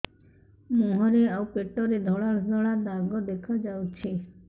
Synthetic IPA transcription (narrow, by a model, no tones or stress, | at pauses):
muɦɔɾeawpeʈɔɾed̪ʱɔɭaɾd̪ʱɔɭad̪aɡɔd̪ekʰad͡ʒawt͡ʃʰi